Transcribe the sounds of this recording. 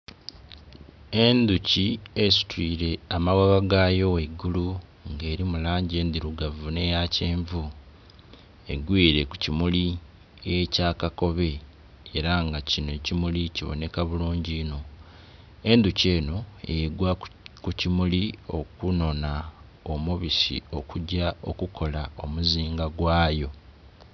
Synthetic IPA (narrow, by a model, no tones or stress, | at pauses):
e̞nd̪uciesi̥twiːɾe̞amawaβaɡajo̞weɡːuluŋɡe̞ːɾimulaːɲɟe̞ːnd̪iɾuɡavune̞jaceːɱvu | e̞̰ɡwiːɾe̞ku̥cimuli | ecaːkako̞βe̞ | eɾaŋɡacino̞cimuliciβo̞̰ne̞kaβuluːɲɟiːno̞ | e̞nd̪uce̞ːno̞ḛjeɡwakucimulio̞kuno̞na | omuβisḭo̞kuɟao̞kukʰo̞lao̞muziːŋɡaɡwaːjo̞